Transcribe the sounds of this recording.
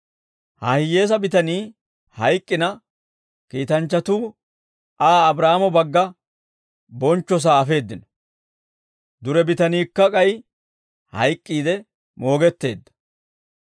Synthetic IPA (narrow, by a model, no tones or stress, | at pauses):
hɐ̰hɪje̞ːs̬ɐbɪt̪ɐniː | hɐjkʼːɪnɐ | kiːt̪ɐnt͡ʃːɐt̪uː | aːbɾaːmɔbɐɡːɐ | bɔnt͡ʃːɔs̬aːɐfe̞ːd̪ːɪnɔ | d̪ʊɾɛbɪt̪ɐniːkːɐkʼɐj | hɐ̰jkʼːiːd̪ɛ | mo̞ːɡɛt̪ːe̞̰ːd̪ːɐ̥